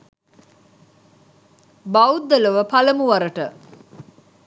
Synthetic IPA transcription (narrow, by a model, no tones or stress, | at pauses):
bawd̪ːələʋəpaləmuʋaɾəʈə